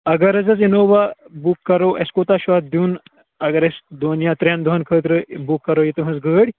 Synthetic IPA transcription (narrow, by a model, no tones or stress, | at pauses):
ɐɡɐɾɐzɐsinoːʋabukːɐɾoʔɐskot̪aʃʋat̪̚d̪juːn | ɐɡɐɾɐsd̪oːnjat̪ɾʲand̪uɦɐnkʰəːt̪ɾɨbukːɐɾojit̪ɨɦɐzɡəːɽʲ